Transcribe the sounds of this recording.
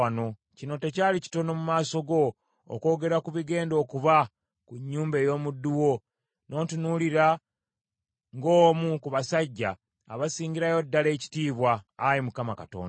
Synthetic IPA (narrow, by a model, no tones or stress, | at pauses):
ano̞ | cino̞te̞caːlici̥to̞no̞mumaːso̞ɡo̞̰ː | ko̞ːɡe̞ɾakuβiɡe̞ːndo̞ːkuβa | kuɲːuːmbe̞jo̞ːmudːuwo̞ | nʔo̞ːtunuliɾa | ŋɡo̞ːmukuβasaɟːaː | βasiːɲɟiɾajo̞dːale̞ːci̥tiːβwaːjimukamakato̞̰ːnda